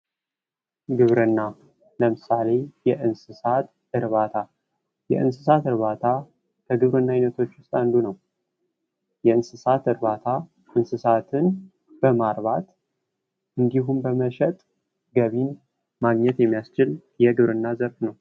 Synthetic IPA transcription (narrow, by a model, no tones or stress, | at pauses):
ɡɨβɾɨnːa | ləmɨsale̞jɛʔɨnsɨsat̪ | ɨɾβat̪ʰa | jɛ̰ʔɨ̰nsɨsat̪ɨɾβat̪ʰa | kʰəɡɨβɾɨnːajnət̪ʰo̞t͡ʃːwʊst̪ʼand̪unəw | jɛɨnsɨsat̪ɨɾβat̪ʰa | ʔɨnsɨsat̪ʰɨn | b̥əmaɾβat̪ | ʔɨnd̪iɦumbəməʃɛt̪ʼ | ɡəβin | maɡɲɛt̪jɛmːijast͡ʃɪl | jɛɡɨβɾɨnːazəɾfnəw